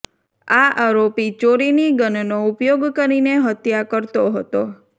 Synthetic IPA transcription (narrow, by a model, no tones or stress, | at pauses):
aʔaɾopit͡ʃoɾiniɡənnoupjoɡkəɾineɦət̪jakəɾt̪oɦət̪o